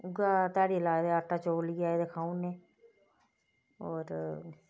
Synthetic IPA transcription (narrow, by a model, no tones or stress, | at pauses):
ʊɡaːt̪aːɽilaːd̪eaʈːaːt͡ʃoːlɡjaːed̪ekʰaːũneː | ɔːɾ